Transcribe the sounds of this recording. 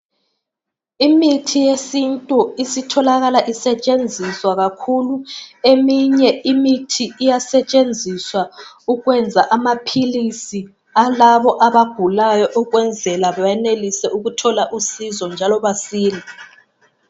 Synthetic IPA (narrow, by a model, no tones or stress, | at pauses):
imitʰijesintʼuisitʰɔlaɣalaʔisɛt͡ʃʼend͡zʱiswaɣakʰuluemiɲɛimitʰiːjasɛt͡ʃʼend͡zʱiswa | uɣwɛnd͡zʱaʔamapʰilisi | alaβɔʔaβaɡ̥ʱulajɔʔuɣwɛnd͡zʱɛlaβajɛnelisɛʔuɣutʰɔlaʔusizɔnd͡ʒʱalɔβasiːli